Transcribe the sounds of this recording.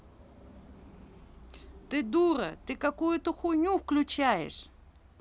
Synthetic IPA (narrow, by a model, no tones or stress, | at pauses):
t̪ɨd̪uɾɐ̰t̪ɨkɐkujʊt̪oxʊnʲufklʲʊt͡ɕajɪ̰ʂ